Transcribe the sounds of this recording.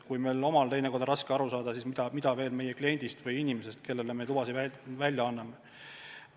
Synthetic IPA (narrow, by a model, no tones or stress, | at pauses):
kujmelo̞mɑlt̪e̞jneko̞rd̪ɾɑskeɑɾusɑːd̪̥ɑsiːsmid̪̥ɑmid̪̥ɑve̞ːlme̞jeklienʲd̪̥ist̪vɯjinʲimesest̪̚ke̞lːelemet̪ubɑsiævælʲjɑɑnːɑme